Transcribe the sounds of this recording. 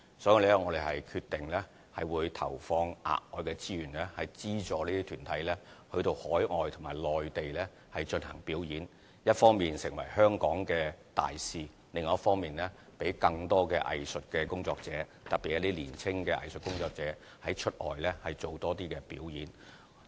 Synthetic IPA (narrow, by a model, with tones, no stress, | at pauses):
sɔː˨˥ji˨˧lɛ˥ŋɔː˨˧ɾe˨jhɐ˨jkʰy˧t̪ɪ˨ŋlɛː˥ | hɐ̰˨jwuː˨˧jt̪ʰɐ̰˨˩wfɔː˧ŋʔa̰ː˨k̚ŋɔː˨˧jkɛː˧t͡siː˥jyː˨˩nlɛː˥hɐ˨jt͡siː˥t͡ʃɔː˨˧liː˥t̪ʰi˥t̪ʰyː˨˩nt̪ʰɐ˨˥jlɛː˥hɵ˧ɥt̪o˧whɔː˨˥jŋɔː˨jt̪ʰʊ˨˩ŋmaː˨˩jlɔː˨jt̪e˨jlɛː˥ | hɐ˨jt͡ʃɵ˧nhɐ̰˨˩ŋpiː˨˥wjiː˨˥n | jɐ˥t̚fɔː˥ŋmiː˨nsɪ˨˩ŋwɐ˨˩jhœː˥ŋkɔː˨˥ŋkɛː˧t̪a̰ː˨jsiː˨ | lɪ˨ŋː˨˦ɐ˥tfɔː˥ŋmiː˨nlɛː˥pe˨˥jkɐ˧ŋt̪ɔː˥kɛː˧ʔɐ̰˨jsɵ˨t̚kɛː˧kʊ˥ŋt͡sɔː˧k̚t͡sɛː˨˥ | t̪ɐ˨t̚pːi˨˩ja˨˧˥t̪iː˦˥liː˨˩nt͡sʰɪ˥ŋkɛː˧ʔɐ̰˨jsɵ˨t̚kʊ˥ŋt͡sɔː˧k̚t͡sɛː˨˥ | hɐ˨˥jt͡ʃʰɵ˥t̚ʔɔ̰ː˨jlɛ˥hɐ˨jt͡so˨wt̪ɔː˥t̪iː˥kɛː˧piː˨˥wjiː˨˥n